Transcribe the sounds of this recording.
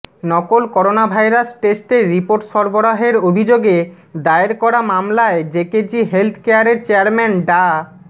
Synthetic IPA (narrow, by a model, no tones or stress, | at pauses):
nɔkolkɔɾonabʱajɾasʈesʈeɾːipoɾʈʃɔɾboɾaɦeɾobʱid͡ʑoɡe | d̪aeɾkɔɾamamlaed͡ʑeked͡ʑiɦelt̪ʰkejaɾeɾt͡ɕeaɾmɛnɖa